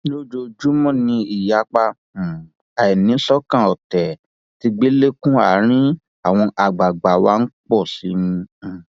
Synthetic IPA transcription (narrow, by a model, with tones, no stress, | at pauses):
o˦d͡ʒo˧d͡ʒu˨˦mɔ̃˦˨nĩ˧i˨ja˨˦k͡pa˧˨ | a˨ɛ˨nĩ˨˦ɔ˦kã˦˨ɔ˨tɛ˨ | ti˧ɡ͡be˦le˦kũ˦a̰˨˦ɾ̃ĩ˦ | a˦˨w̃ɔ̃˧ʔa˨ɡ͡ba˨ɡ͡ba˨wa̰˦n̩˦k͡pɔ˦˨si˨˦nĩ˧˨